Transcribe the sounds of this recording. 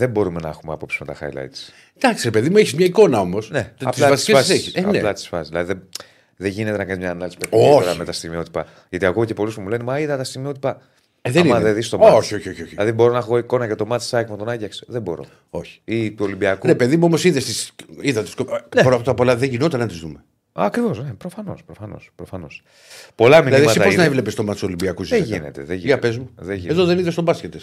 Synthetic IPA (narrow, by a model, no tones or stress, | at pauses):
ðe̞mbo̞ɾumenɐexumeɐpo̞psi̥zmet̪ɐxɐ̰jlɐ̰jt̪i̥s | d̪̥ɐksiɾepeðimueçizmɲɐiko̞nɐo̞mosne̞ɐplɐɐisɐssiçisɐneplɐt̪i̥sfɐsizðilɐðiðe | ðeʝinet̪enɐkɐnizmɲɐːnɐlisi̥peoeɐmet̪ɐst̪imio̞t̪i̥pɐ | ʝɐt̪iɐkocepo̞lispumule̞nemɐiðɐt̪ɐst̪imio̞t̪ipɐ | ðnimɐðeðist̪o̞moçioçoçoçilɐðibo̞ɾo̞nɐxo̞iko̞nɐcet̪o̞mɐt̪i̥sɐkmt̪o̞nɐɟɐksðebo̞ɾo̞̰ | o̞çi̥it̪uo̞limbiɐkuɾepeðimuomosiðest̪isiðɐt̪i̥skoneɾopɾot̪ɐpo̞lɐðeʝino̞t̪ɐnɐt̪izðume | ɐkɾivosnepɾofɐno̞̰spɾofɐno̞̰spɾofɐno̞̰s | po̞lɐminilɐiðsɐsit̪ɐponɐevle̞pest̪o̞mɐt̪so̞limbiɐkuzieʝinḛt̪eðeʝiʝɐpe̞zmuðeʝieðoðeniðest̪obɐscet̪es